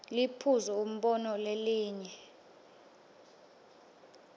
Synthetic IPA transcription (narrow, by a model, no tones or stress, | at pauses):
lipʰuzɛum̩ɓɔnɔleliːɲɛ